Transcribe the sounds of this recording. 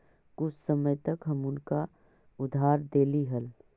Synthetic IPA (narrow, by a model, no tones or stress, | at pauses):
kʊt͡ʃʰsəməjt̪ɐkɦɐmʊnka | ʊd̪ʱɦaːɾd̪eːliɦɐl